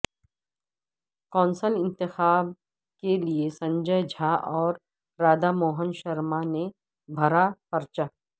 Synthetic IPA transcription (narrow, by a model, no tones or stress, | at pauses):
kɔ̃ːnsəlɪ̃nt̪ɪxaːb̚ | keliesɐ̃ɲd͡ʒəjd͡ʒʱaʔɔːɾː | aːd̪amɔːɦənʃɐɾmane | bʱɐɾapɐɾt͡ʃaː